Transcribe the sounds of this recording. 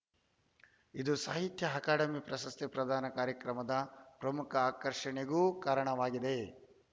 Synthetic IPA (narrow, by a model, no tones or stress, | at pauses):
id̪usaːɦit̪jɐɦɐkaːʈɐmipɾɐsɐst̪epɾɐd̪ʱaːnɐkaːɾjɐkɾɐmɐd̪ɐpɾɐmukʰɐaːkɐɾʂɐɳeɡuːkaːɾɐɳɐʋaːɡid̪e